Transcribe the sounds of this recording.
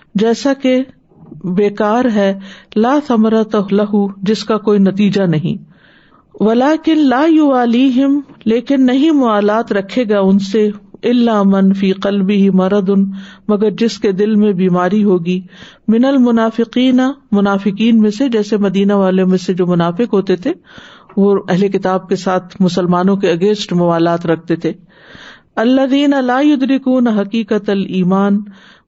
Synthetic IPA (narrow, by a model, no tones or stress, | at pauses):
d͡ʒɛːsake | beːkaːɾɦɛːlaːθɐmɾɐt̪ɦlɐɦud͡ʒɪskakoːinɐt̪iːd͡ʒanɐɦḭ̃ː | ʋɐlaːkɪnlaːjʊʋaːliːɦɪmleːkɪnːɐɦĩmʊaːlaːt̪ɾɐkʰːeːɡaʊnseɪlːamɐnfiːqɐlbɪɦimɐɾɐd̪ʊnmɐɡəɾd͡ʒɪsked̪ɪlmẽbiːmaːɾiɦoːɡiːmɪnɐlmʊnaːfɪqiːnamʊnaːfɪqiːnmẽsed͡ʒɛːsemɐd̪iːnaʋaːlemẽsed͡ʒoːmʊnaːfɪqɦoːt̪et̪ʰeʋoɛɦlekɪt̪aːb̚kesaːt̪ʰmʊsəlmaːnõkeɐɡẽːsʈmʊʋaːlaːt̪ɾɐk̚ʰt̪et̪ʰeː | ɐlːɐðiːnɐlaːjʊd̪ɾɪkuːnɦɐqiːqɐt̪ɐliːmaːn